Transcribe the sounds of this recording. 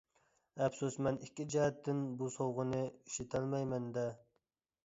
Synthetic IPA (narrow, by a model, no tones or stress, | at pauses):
ɛpsusmɛnikʲːid͡ʒɛɦɛt̪ːɪnbusowʁənɨi̥ʃit̪ʰælmɛjmɛnd̪ɛ